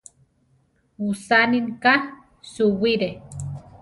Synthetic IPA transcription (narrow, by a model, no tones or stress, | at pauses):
usaniŋka | suwiɾe